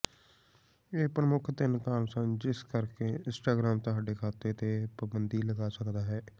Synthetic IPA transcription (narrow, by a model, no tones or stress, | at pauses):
eːpɾəmʊkʰt̪ɪnkaːnsə̃nd͡ʒɪskəɾkeːɪ̃nsʈaːɡɾaːmt̪əɦaːɖeːkʰaːt̪et̪eːpəbənd̪iːləɡaːsəkd̪aːɦɛː